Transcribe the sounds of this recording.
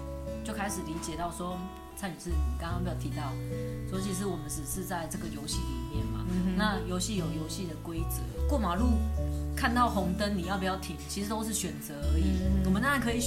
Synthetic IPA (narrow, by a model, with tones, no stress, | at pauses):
t͡ɕjo˥˩ʊkʰa˥ɪʂɻ̩˨˩li˧˥t͡ɕjɛ˨˩t̪ɑ˥˩ʊswɔ˦˥ | t͡sʰa˥˩y˨˩ʂɻ̩˥˩ni˨kŋkpjɑ˥˩t̪ʰi˧˥t̪ɑ˥˩ʊso˥t͡ɕʰi˧˥ʂ̬ɻ̩˥˩wɔ˨˩mə˦nʂɻ̩˨˩ʂɻ̩˥˧t͡sa˥˧ɪʈ͡ʂɤ˥˩ɡə˨jo˧˥ʊɕi˥˩lḭ˨˩mjɛ˥˩nma̰˨˩na˥˨jo˧˥ʊɕi˥˩jo˨˩ʊjo˧˥ʊɕi˥˩d̪ə˩kwe˥ɪt͡sɤ̰˨˩˦kwɔ˥˩ma˨˩lu˥˩kʰa˥˧nt̪ɑ˥˩ʊxɔ˧˥ŋt̪ə˦nni˨jpu˨˩jɑ˥˩ʊt̪ʰi˨˩ŋt͡ɕʰi˧˥ʂɻ̩˧˥t̪o˥ʊʂ̬ɻ̩˥˩ɕɥɛ˨˩nt͡sə˧˦ə˧˥i˨˩˦wɔ˨˩mə˨˦na˥˩ŋkʰɤ˧˥i˨˩